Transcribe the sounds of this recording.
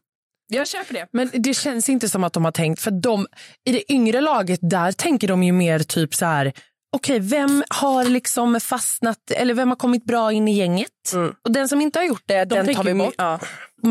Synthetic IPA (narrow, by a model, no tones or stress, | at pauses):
jøːpəɖɛmɛnd̪ɛɕɛnsɪnt̪əsɔmːat̪̚d̪ɔmhaʈʰɛŋkt̪fœɾat̪̚d̪ɔmɪd̪ɛʔʏŋɾəlɑːɡət̪̚d̪æɾt̪ʰɛŋkəɖɔmjɵmeːɾt̪ʰyːpsɔhæːɾ | ɔkʰɛjvɛmhaɾlɪksɔmfasnat̪ɛ̰lːəɾvɛmhaɾkʰɔmːɪt̪̚bɾɑːɪnːɪjɛŋːət̪ːɔd̪ɛnsɔmɪnt̪əhaɾjʊʈ̚ːd̪ɛd̪ɛnʰːvɪ